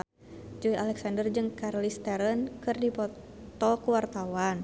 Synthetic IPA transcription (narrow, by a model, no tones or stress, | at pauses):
d͡ʒuialɛksandərd͡ʒɨŋkarlist̪ɛɾənkɨrdipɔt̪ɔkuwart̪awan